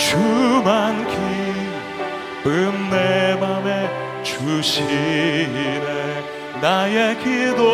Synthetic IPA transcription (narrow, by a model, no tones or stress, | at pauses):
t͡ɕumankʰi | pɯmːemame | t͡ɕuɕi | ne | najekid̪o